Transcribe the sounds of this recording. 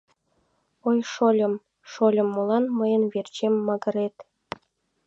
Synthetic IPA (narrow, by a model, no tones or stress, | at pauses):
ojʃolʲə̆m | ʃolʲə̆mːolˠɑnməjə̆nverʲt͡ɕemʲːɤɡə̆ɾet̪